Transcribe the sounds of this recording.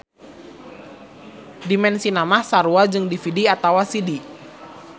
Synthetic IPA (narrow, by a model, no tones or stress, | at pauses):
dimɛnsinamahsaɾuad͡ʒɨŋdifidiat̪awasidi